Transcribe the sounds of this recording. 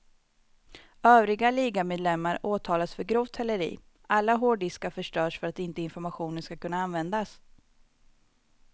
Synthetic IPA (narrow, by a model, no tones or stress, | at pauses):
øːvɾɪɡaliːɡameːd̪lɛmːaɾoːt̪ʰɑːlasfœɾɡɾuːvt̪ʰɛlːəɾḭː | ʔalːaɦoːɖɪskaɾfœʂʈœːʂfœɾat̪ɪnt̪əɪnfɔɾmaɧuːnənskakʰɵnːaanvɛnd̪as